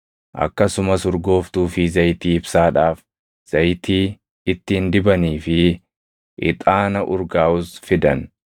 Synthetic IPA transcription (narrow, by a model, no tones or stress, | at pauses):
ʔɐ̰kːɐsʊmɐsʊɾɡo̞ːft̪uːfɪzɐjt̪iːɪbsaːᶑaːf | z̥ɐjt̪iː | ɪt̪ːɪɪnd̪ɪbɐniːfɪ | ʔɪ̰t̪ʼaːnɐʔʊɾɡaːʔʊsfɪd̪ɐn